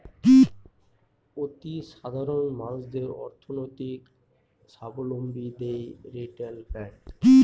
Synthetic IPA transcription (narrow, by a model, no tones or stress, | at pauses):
ot̪iʃad̪ʱaɾonmalsd̪eɾɔ̰ɾt̪ʰonojt̪ik | sabolombid̪ejɾeʈelpɛɳ